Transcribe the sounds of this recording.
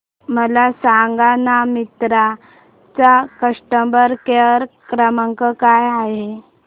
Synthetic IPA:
məlasaŋɡanamit̪ɾa | t͡sakəʂʈəmbəɾkeəɾkɾəməŋkəkajaɦe

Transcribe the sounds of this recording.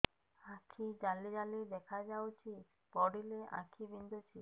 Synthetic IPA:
ãkʰid͡ʒalid͡ʒalid̪ɛkʰad͡ʒawt͡ʃʰi | pɔɽilea̰kʰibind̪ʱut͡ʃʰi

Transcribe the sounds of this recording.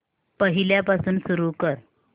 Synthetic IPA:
pəɦiljapasuːnsuɾukəɾ

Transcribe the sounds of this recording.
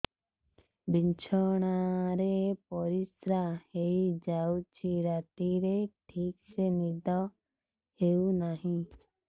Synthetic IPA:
biɲt͡ʃʰɔɽ̃aɾepɔɾisɾaheid͡ʒaut͡ʃʰiɾat̪iɾeʈʰiːksenid̪ʱɔ | heunaɦĩ

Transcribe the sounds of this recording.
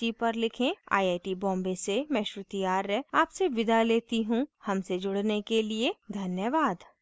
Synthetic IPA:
ipɐɾlɪkʰẽa̰ːiaːɪʈibɔ̃ːmbesemɛ̃ːʃɾʊt̪ijaːɾːɛaːpseʋɪd̪ʱaleːt̪iɦũhɐmsed͡ʒʊɽnekelied̪ʱɐnjəʋaːd̪

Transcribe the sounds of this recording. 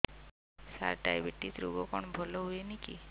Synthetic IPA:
sa̰ɾʈajbeʈːit̪ɾuɡɔkɔɳ̃bʱɔlɔɦuenikḭ

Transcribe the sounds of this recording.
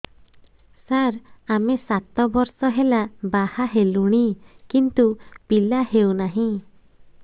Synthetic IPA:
saɾamesat̪ɔbɔɾsɔɦelabahaɦeluɽ̃ikint̪upilahewnaɦĩ

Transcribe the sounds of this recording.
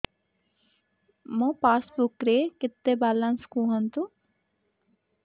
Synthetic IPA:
mopaːsbukɾekɪt̪ːebalːanskuɦɐnt̪u

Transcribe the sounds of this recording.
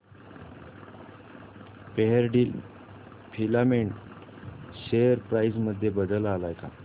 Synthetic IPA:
peɦəɾɖiːl | pʰilameɳ | ɕejəɾpɾajsməd̪ʱːjebəd̪əlalajka̰

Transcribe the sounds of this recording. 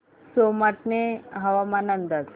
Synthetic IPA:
somaʈneɦaʋamanənd̪at͡s

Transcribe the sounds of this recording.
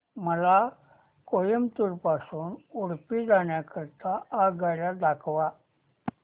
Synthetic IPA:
məla | kojəmt̪uɾpasuːnuɽpiːd͡zaɳjakəɾt̪aːɡaɭjad̪akʰʋa

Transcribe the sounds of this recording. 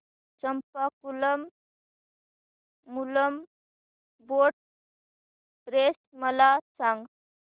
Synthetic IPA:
t͡ɕəmpakuləm | uləm | boʈ̚ | ɾesməlat͡sãŋɡ

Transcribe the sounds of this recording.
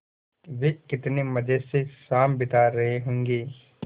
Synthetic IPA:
ʋekɪt̪nemɐd͡ʒəsesaːmbɪt̪aɾɐɦeɦõːŋɡeː

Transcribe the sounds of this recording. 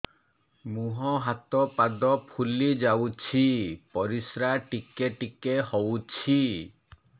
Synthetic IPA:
muɦɔɦat̪ɔpad̪ɔpʰulid͡ʒawt͡ʃʰipɔɾisɾaʈikeʈikehɔwt͡ʃʰi

